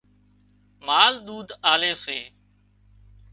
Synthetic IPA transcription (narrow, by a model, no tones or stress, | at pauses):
maːlɗ̪uːd̪ʱaːleːseː